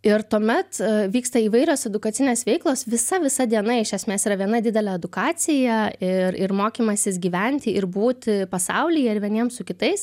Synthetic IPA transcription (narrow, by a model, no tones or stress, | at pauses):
ɪrt̪uɔmʲɛt̪ʋʲiːkst̪ɐiːʋɐɪɾʲoːsɛd̪ʊkɐt̪sʲɪnʲeːsʋʲɛɪklˠoːsʋʲɪsɐʋʲɪsɐd̪ʲiɛnɐɪʃʲɛsʲmʲeːsiːɾɐʋʲiɛnɐd̪ʲɪd̪ʲɛlʲɛɛd̪ʊkɑːt͡ssʲɪjɛɪɾɪrmoːkʲiːmɐsʲɪsɡʲiːʋʲɛnʲt̪ʲɪɪɾbuːt̪ʲpɐsɐ̰ʊlʲɪjɛɪɾʋʲiɛnʲiɛmsʊkʲɪt̪ɐɪs